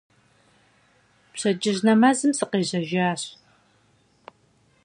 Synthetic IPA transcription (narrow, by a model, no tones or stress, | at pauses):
pɕɐd͡ʒʼɪʑnɐmɐzɨmsɨqeːʑɐʒaːɕ